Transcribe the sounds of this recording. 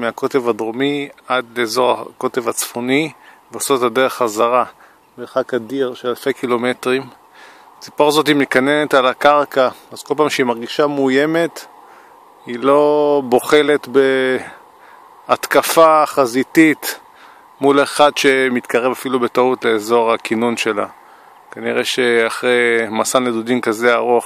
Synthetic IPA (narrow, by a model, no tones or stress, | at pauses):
meako̞te̞vadʁomiad̪leezo̞ʁa̰ko̞te̞vat͡sfoniveosotadeʁeχazaʁa | beχakadiʁʃelalfejkilo̞me̞tʁim | t͡si̥poʁzo̞timikanene̞talakaʁkaaz̥ko̞lpaːmʃeimaʁɡiʃamuje̞me̞t | ilo̞bo̞χe̞le̞t̪be̞ | at̪kafaχazitit̪ | muleχadʃe̞mit̪kaʁe̞vafilubetautle̞ːzo̞ʁakinunʃe̞la̰ | kaniʁeʃeaχʁejmasanledudimkazeaʁoχ